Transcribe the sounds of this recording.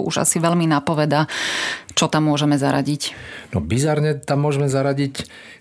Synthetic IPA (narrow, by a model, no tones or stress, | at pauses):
uʒa̰siʋɛlminapɔʋɛd̪a | t͡ʃɔt̪amːʊɔʒɛmɛzaɾa̰ɟicnɔbizaɾɲɛt̪amːʊɔʒɛmɛzaɾaɟic